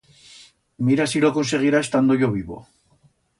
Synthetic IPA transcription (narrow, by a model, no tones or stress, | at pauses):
miɾasiɾoko̞nse̞ɣ̞iɾaest̪and̪ojo̞βiβo̞̰